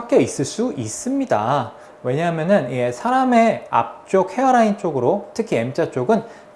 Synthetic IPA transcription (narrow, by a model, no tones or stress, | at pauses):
hak͈̚e̞is͈ɯɭs͈uʔis͈ɯmɲida̰ | we̞ɲaɦmjʌnɯnie̞sʰaɾame̞a̰p̚t͡ɕ͈ok̚he̞ʌɾaint͡ɕ͈oɡɯɾotʰɯkʰie̞mt͡ɕ͈at͡ɕ͈oɡɯn